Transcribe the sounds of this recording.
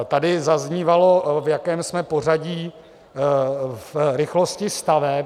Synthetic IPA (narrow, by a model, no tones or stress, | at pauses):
t̪adɪzazɲiːvalo̞vjakɛːmsmɛpo̞r̝aɟiː | fɾɪxloscɪst̪avɛ